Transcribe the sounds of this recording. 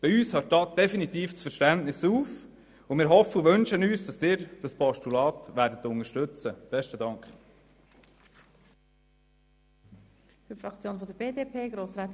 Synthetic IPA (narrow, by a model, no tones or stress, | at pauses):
b̥iyːshɑt̚tɑt̚d̥ɛfinit̪iːft͡sfəɾʃtæntnɪsuːf | ʊmɪːɾɦɔfːəʊʋɵnʃənyːsd̥ɑsd̥ɪːɾd̥ɑspɔʃtulɑːt̪ʋæːɾdət̪ːʊŋəʃtɵt͡səb̥ɛʃtədɑŋkχ | fyɾfɾɑkt͡sjoːnfɔd̪əɾbeːdepʰeːɡɾoːsɾaːt̪